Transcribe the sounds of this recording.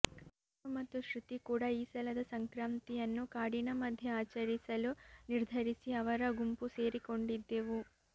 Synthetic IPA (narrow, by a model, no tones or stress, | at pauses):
umɐt̪uʃɾut̪ikuːɽaːiːsɐlɐd̪ɐsɐŋkɾaːmt̪ijɐnːukaːɽinɐmɐd̪ʱjɐaːt͡ʃɐɾisɐluniɾd̪ʱɐɾisiɐʋɐɾɐɡumpuse̞ːɾiko̞ɳɖid̪ːeːʋu